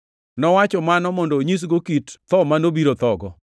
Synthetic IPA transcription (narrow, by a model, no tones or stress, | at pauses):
nɔwat͡ʃɔmanɔmɔndoɲis̬ɡokitt̪ɔmanobiɾot̪ɔɡɔ